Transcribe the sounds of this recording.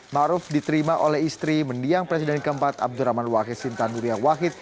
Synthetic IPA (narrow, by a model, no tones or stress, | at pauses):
maʔɾʊfdit̪əɾimaʔolɛɦist̪ɾiməndiaŋpɾes̬idɛnkəəmpat̪a̰b̚duɾamanwakɪt̪sint̪anuɾiawaɦɪt̪̚